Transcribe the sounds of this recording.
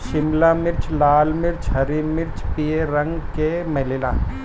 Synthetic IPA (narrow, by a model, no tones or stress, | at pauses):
ʃɪmlamɪɾt͡ʃlaːlmɪɾt͡ʃɦɐɾiːɾmɪɾt͡ʃpieɾɐ̃ŋɡkemɐlɪlaː